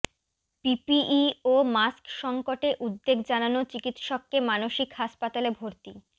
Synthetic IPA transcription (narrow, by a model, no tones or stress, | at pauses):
pipiʔiomaskʃɔŋkoʈeʔud̪ːeɡd͡ʑananot͡ɕikit̪ʃɔkːemanoʃikɦaʃpat̪alebʱoɾt̪i